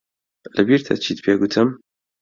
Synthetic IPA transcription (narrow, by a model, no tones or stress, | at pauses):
lɐbiːɾt̪ʰɐ̰t͡ʃʰiːt̪pʰeɡut̪ʰɨm